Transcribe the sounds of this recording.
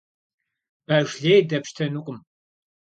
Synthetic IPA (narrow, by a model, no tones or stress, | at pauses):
b̥ɐʒɮejdɐpʃtʰɐnuqʷʼʊm